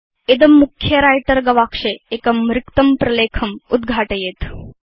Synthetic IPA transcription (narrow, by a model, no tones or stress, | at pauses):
ed̪ɐmːukʰjɐɾajʈɐɾɡɐʋakʂeekɐmɾɪkt̪ɐmpɾɐleːkʰɐmud̪ɡʱaːʈɐjet̪